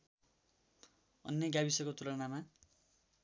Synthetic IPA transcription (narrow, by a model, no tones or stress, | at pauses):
ʌ̰nːʌɡabisʌkot̪uɾʌnama